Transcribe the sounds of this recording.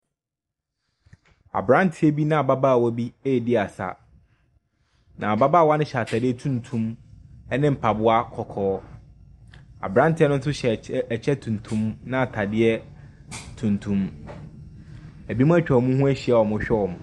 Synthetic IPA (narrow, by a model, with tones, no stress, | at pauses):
a̰˨bɾã˦n˦tʰɪ˦ɛ˦bi˦nã˦a˨ba˦ba˦˨wɔ˦bi˦e˦˨dɪ˦a˨sa̰˨ | nã˨ba˦baː˦˨wa˦nɪ̃˦ɕtʰa˨dɪ˦ɛ˦tʰũ˦ntʰũ˦mɛ˦nɪ̃˦m̩˨pʰa˨bʊ˦a˦kʰɔ˨kʰɔː˦ | a̰˨bɾã˦ntʰɪ˨˦ɛ˦nʊ̃˦sʊ˦ɕɛ˨t͡ɕʰɛ˦tʰũ˨n˨tʰũ˦mnã˦a˨tʰa˨dɪ˦ɛ˦ | tʰũ˨ntʰũ˦m | æ˨bi˦mũ˦æ˦t͡ɕᶣɛ˨ɔ˨mũ˦ɦũ˦æ˦ɕi˨a˨wɔ˨mʊ̃˦ɕᶣɛ˦ɔ˨mʊ̃˨